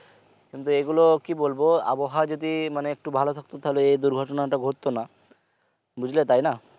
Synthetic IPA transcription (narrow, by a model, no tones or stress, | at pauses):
kint̪ueɡulokibolboa̰boɦad͡ʑod̪imaneek̚ʈubʱalot̪ʰak̚t̪ot̪ʰaloejd̪uɾɡʱɔʈonaʈaɡʱoɾt̪ːona | bud͡ʑʱlet̪ajna